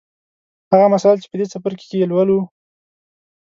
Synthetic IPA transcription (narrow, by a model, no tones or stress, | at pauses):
haɣamasɑlt͡ʃe̥pəd̪et͡sapəɾke̥kejelwəlu